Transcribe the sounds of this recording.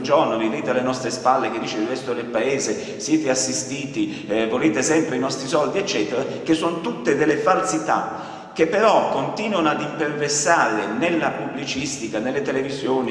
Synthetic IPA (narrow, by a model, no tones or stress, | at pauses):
d͡ʒornoviveːt̪ealːenɔst̪ɾespalːek̟ed̪ːiːt͡ʃeɾivɛst̪oɾelpaeːze | sjeːt̪easːist̪iːt̪i | voleːt̪esɛmpɾeinɔst̪ɾisɔld̪iɛt͡ʃːɛːt̪eɾak̟esːonot̪ut̪ːed̪elːefalsit̪a | k̟epːeɾɔkːont̪iːnwonoad̪imperversaːɾenelːapubːlit͡ʃist̪ikanelːet̪elevizjoːni